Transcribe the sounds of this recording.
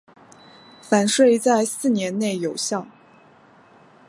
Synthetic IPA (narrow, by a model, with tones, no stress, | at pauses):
fa˨˩nʂwe˥˧ɪt͡sa˥˧ɪsɹ̩˥˩njɛ˧˥nne˥˩ɪjo˨˩ʊɕjɑ˥˩ʊ